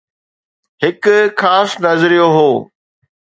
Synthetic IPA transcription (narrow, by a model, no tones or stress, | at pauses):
ɦhɪkxaːsnɐzɾijoɦoː